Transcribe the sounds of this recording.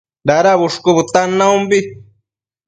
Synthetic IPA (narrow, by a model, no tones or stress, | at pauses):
ɾaɾaβuʂkuβut̪anãumbi